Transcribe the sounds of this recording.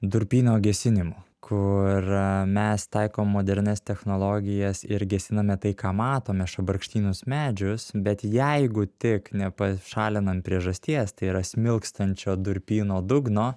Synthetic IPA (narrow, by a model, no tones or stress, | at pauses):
d̪ʊɾʲpʲiːnoːɡʲɛsʲɪnʲɪmʊkʰʊɾmʲɛst̪ɐɪkoːmːoːd̪ʲɛɾʲnʲɛst̪ʲɛxnoːlˠoːɡʲɪjɛsɪɾɡʲɛsʲɪnɐmʲɛt̪ɐɪkɑːmɑːt̪oːmʲɛɪʃɐbɐɾkʃʲt̪ʲiːnʊsmʲæːd͡ʒʲʊsbʲɛt̪jæɪɡʊt̪ʲɪknʲɛpɐʃɑːlʲɪnɐmpʲɾʲiɛʒɐsʲt̪ʲiɛst̪ɐɪiːɾɐsʲmʲɪlˠkst̪ɐnʲt͡ʃʲoːd̪ʊɾʲpʲiːnoːd̪ʊɡnoː